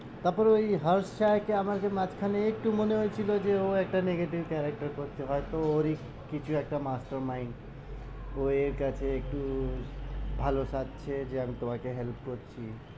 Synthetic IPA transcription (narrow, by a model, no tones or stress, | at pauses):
t̪əpəɾoiɦəɾst͡ʃajkeaməɾkemat͡ʃʰkʰaneek̚ʈumoneɦojt͡ʃʰilod͡ʒeoek̚ʈaneɡeʈibkɛɾek̚ʈəɾkɔɾt̪eɦɔjt̪ɔoɾi | kit͡ʃʰuek̚ʈamasʈəɾmaɪn | oeɾkat͡ʃʰeːk̚ʈu | bʱalosat̪̚t͡ʃʰed͡ʒeəmit̪oãkeɦelp̚kɔt̪t͡ʃʰi